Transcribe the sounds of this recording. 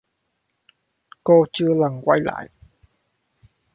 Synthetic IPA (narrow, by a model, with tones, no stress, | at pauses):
ko˧t͡ɕɨ˧ələ˨˩ŋkwa˧jla̰ː˧˨j